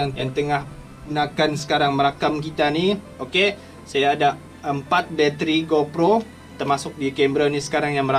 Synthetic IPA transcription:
jaŋt̪əŋah | ənakansə̥kaɾaŋməɾakamkit̪ani | oke | sajaːda | əmpat̪̚bɛt̪ɾiɡopɾo | t̪ərmasʊk̚dikɛmbɾɔnisə̥kaɾaŋjaŋməɾa

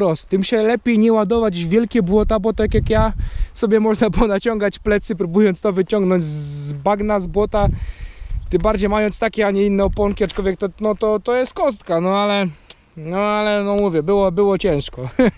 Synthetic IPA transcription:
ɾɔst̪t̪ːɘmɕɛlɛpʲjejɲɛwad̪ɔvad͡ʑvʲjɛlkʲɛbwɔt̪abɔt̪ɔjakjakjasɔbʲjɛmɔʐnapɔnat͡ɕɔŋɡat͡ɕplɛt̪sɨpɾubujɔnt̪t̪ɔvɘt͡ɕɔŋɡnɔɲd͡ʑzbaɡnazbwɔt̪a | t̪ɪmbaɾd͡ʑejmajɔnt̪st̪akʲɛaɲɛinːɛɔpɔŋkʲiat͡ʂkɔvʲjɛk̚t̪ɔnɔt̪ɔt̪ɔjɛst̪̚kɔst̪kanɔalɛ | nɔalɛnɔmuvʲjɛbɘwɔbɘwɔt͡ɕɛ̃w̃ʂkɔ

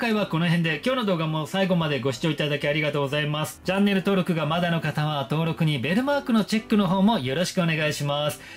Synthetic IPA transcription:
kaiβako̞no̞ɦẽ̞nd̪e̞kʲo̞ːno̞d̪o̞ːɡamo̞saiɡo̞mad̪e̞ɡo̞ɕi̥t͡ɕo̞ːit̪ad̪akʲiaɾʲiɡat̪oːɡo̞zaimasɨ̥t͡ɕãnːe̞ɾɯ̟t̪o̞ːɾo̞kɯ̟ɡamad̪ano̞kat̪aβat̪o̞ːɾo̞kɯ̟ɲ̟ibe̞ɾɯ̟maːkɯ̟no̞t͡ɕe̞kːɯ̟no̞ɦo̞ːmo̞jo̞ɾo̞ɕi̥kɯo̞ne̞ɡaiɕimasɨ̥

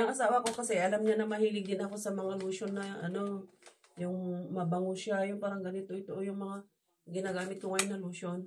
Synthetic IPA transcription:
ʔasaːwɐko̞kɐsɛʔɐlamɲanɐmɐhiːlɪɡɪnɐko̞sɐmɐŋaluːʃonːɐʔɐno̞ | jʊŋmɐbaŋʊsjajʊnpaːɾɐŋɡɐnɪt̪o̞ɪt̪oʔojʊŋmɐŋa | ɡɪnaɡaːmɪt̪̚kʊŋajnɐluːʃon

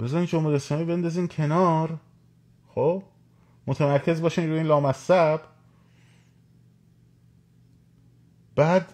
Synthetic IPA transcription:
b̥e̞zɒːɾiːnd͡ʒomeesɒːmiːbe̞nd̪ɒziːncʰe̞nɒːɾ | xob | mot̪ʰemæɾcʰe̞zbɒːʃiːnɾuiːnlɒːmæsæb | b̥æːd̪

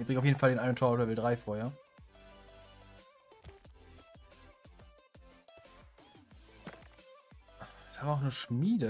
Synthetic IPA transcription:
b̥ʁɪŋaʊfjeːdn̩faldeːnʔaɪnʊntʰoːɐʊtɛvɪldʁaɪfoːɐheːɐ | shaːmvɐaʊxnəʃmiːdə

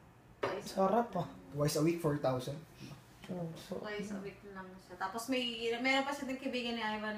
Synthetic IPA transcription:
t̪wajsaɾapːɐt̪wajsɐwik̚fɔɹt̪awsɐnd̪̚ | ooajsɐ̰wik̚lɐmɐʃat̪aːposmɐjɐmɛːɾopɐʃad̪ɪnkɐbiːɡɐnːɪajvɐn

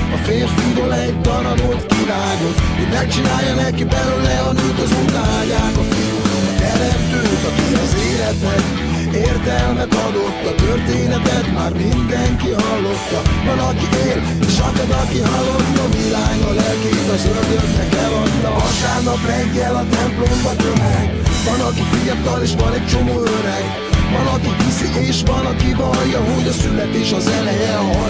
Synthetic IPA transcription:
ɒfeːnfud̪olɛtt̪ɒɾɒnolt̪kiɾaːɡo̞t̪hoɟmɛk̚t͡ʃinaːjːɒnɛkibɛlyølɛɒnujt̪ɒzuŋkaːjaːkɒfiut̪ɛɾɛpkøːt̪ɒkivɛzeːlɛt̪nɛk | eːrt̪ɛlmɛt̪ɒd̪ot̪ːɒt̪ørt̪eːnɛt̪ɛt̪ma̰ːrmind̪ɛŋkiɦɒlːo̞t̪ːɒvɒnɒkiʔeːl | eːʃɒkɛd̪ɒkiɦɒlːo̞t̪ːɒmilaːŋɡɒlɛlkid̪ɒzøld̪ørnɛkɛlɒki | ɒkaːrnɒprɛɡːɛlɒt̪ɛmplombɒt̪ømɛɡ | ʋɒnɒkifijt̪ɒleːʃʋɒnɛc̚t͡ʃo̞moːøɾɛɡ | vɒnɒkiʋisiʔeːʃʋɒnɒkivɒjːɒɦo̞ɟɒsylɛt̪eːʃɒzɛlɛjɛɦɒ

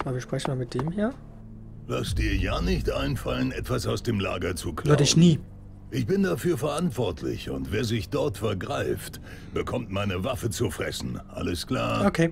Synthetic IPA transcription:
ʔabɐviɐʃpʁ̥ɛçn̩maːmɪt̚d̥eːmhiːɐ | lasd̥iːɐjaːnɪçtʔaɪnfalənʔɛtv̥asaʊsd̥eːmla̰ːɡɐt͡sukʰlɔdɪçniː | ʔɪçb̥ɪndafyːɐfɛɐʔantv̥ɔɐtʰlɪ̰çʊ̰ntv̥eːɐzɪçd̥ɔɐtfɛɐɡʁaɪft | b̥əkʰɔmtmaɪnəvafət͡sufʁ̥ɛ̰sn̩ʔa̰ləskl̥aːokʰeː

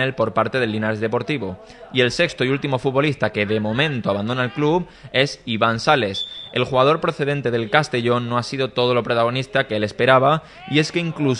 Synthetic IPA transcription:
elpo̞ɾpaɾt̪e̞ð̞e̞lːinaɾezðe̞po̞ɾt̪iβ̞o̞ | ie̞lse̞kst̪oiult̪imo̞fut̪βo̞list̪ake̞ðe̞mõ̞mẽnt̪oaβand̪o̞naelklup | e̞siβansale̞se̞lxuɣað̞o̞ɾpɾoθe̞ðe̞nt̪e̞ð̞e̞lkast̪e̞ʝo̞nːoasiðo̞t̪o̞ð̞o̞lo̞pɾot̪aɣ̞o̞nist̪akeele̞spe̞ɾaβ̞a | ie̞skeiŋklu

